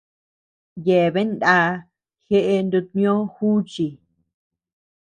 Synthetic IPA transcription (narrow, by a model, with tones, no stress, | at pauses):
je˨βe˦nd̪a˧˦ | xe˦ʔe˧nd̪u˧t̪nĩ˦õ˦xu˦t͡ʃi˨